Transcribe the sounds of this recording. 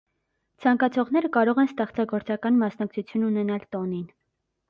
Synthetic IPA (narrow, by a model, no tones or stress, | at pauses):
t͡sʰɑŋkɑt͡sʰɔʁnɛɾəkɑɾɔʁɛnst̪ɛχt͡sɑɡɔɾt͡sɑkɑnmɑsnɑk̚t͡sʰut͡sʰjununɛnɑlt̪ɔnin